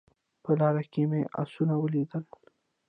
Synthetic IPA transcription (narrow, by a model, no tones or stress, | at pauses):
pəlɑɾakemeʔa̰sunawəlid̪əl